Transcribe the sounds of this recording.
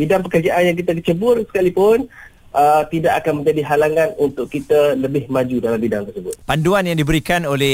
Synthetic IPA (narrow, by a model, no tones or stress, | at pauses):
bidaŋp̬əkərd͡ʒaʔanjaŋk̬it̪adit͡ʃəbʊrsə̥kalipʊn | ʔət̪idaʔakanmə̃ɲd͡ʒadiɦalaŋãnunt̪ʊʔkkːit̪aləbɪhmad͡ʒudalambidaŋt̪ərsəbʊt̪̚panduanjaŋdibəɾikanolɛ